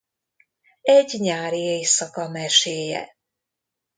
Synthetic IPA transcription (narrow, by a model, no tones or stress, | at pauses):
ɛɟɲaːɾieːjsɒkɒmɛʃeːjɛ̰